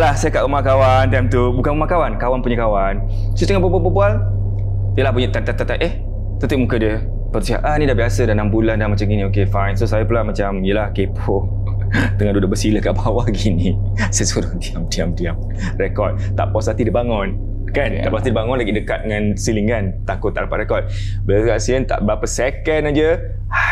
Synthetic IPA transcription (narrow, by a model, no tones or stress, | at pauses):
lahsajəkaʔumakawant̪iamt̪ubukanumakawankawanpuɲəkawan | sut̪əŋabababəbual | iəlahpuɲət̪at̪at̪at̪aʔʔeh | t̪ət̪iʔ̚mukədiə | pəɾsia̰ʔannĩdahbiasədanambulandamat͡ʃamɡinĩokefajnsosajəpəlamat͡ʃamijəlahkepʰo | t̪əŋandudoʔbəsiləhkaʔbawaɡinisasuɾadiamdiamdiam | rekɔt̪̚t̪a̰ʔpɔsat̪idibaŋɔn | kant̪a̰ʔpɔsat̪idibaŋʊnlaɡidəkat̪̚əŋãnsiliŋkant̪akʊt̪ːaʔɾapat̪ʔ̚rekɔt̪̚ | bəlakaʔsilənt̪a̰ʔbɾapəsɛkənad͡ʒə